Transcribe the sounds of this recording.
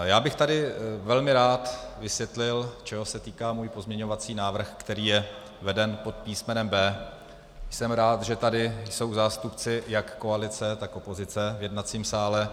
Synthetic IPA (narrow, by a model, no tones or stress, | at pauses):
jaːbɪxt̪adɪvɛlmɪɾaːt̪vɪsvjɛt̪lɪlt͡ʃɛɦo̞sɛt̪iːkaːmuːjpo̞zmɲɛɲo̞vat͡siːnaːvr̩xkt̪ɛɾiːjɛ | vɛdɛnpo̞t̪̚piːsmɛnɛmbɛː | jsɛmɾaːt̪ʒɛt̪adɪjso̞wzaːst̪upt͡sɪjakːo̞alɪt͡sɛt̪akʔo̞po̞zɪt͡sɛvjɛdnat͡siːmsaːlɛ